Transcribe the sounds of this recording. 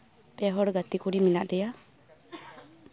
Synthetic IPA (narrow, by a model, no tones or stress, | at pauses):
pɛɦɔɽɡat̪ikuɾiminaʔdɛja